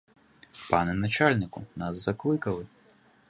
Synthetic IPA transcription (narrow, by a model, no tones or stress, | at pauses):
panɨnat͡ʃalʲnʲɨkunaszaklˠɨkɐlˠɨ